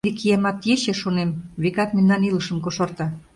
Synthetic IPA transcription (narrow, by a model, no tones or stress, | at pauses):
ikijemɑt̪jeɕeʃonemβekɑt̪menːɑnilə̆ʃə̆mkoʃort̪ɑ